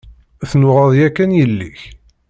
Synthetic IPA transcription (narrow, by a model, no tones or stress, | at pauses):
θnʊʁɑðˤjækːænjəlːiç